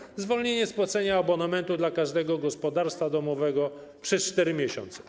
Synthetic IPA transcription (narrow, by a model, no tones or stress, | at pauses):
zvɔlɲeɲɛspwat̪sɛɲaːbɔnamɛnt̪ud̪lakaʐd̪ɛɡɔɡɔspɔd̪aɾst̪fad̪ɔmɔvɛɡɔpʂɛst͡ʂt̪ɛɾɘmʲjɛɕɔ̰nt̪sɛ̥